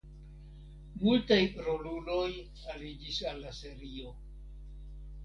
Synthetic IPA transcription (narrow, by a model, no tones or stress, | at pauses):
multajɾolulo̞j | alid͡ʒisalːase̞ɾio̞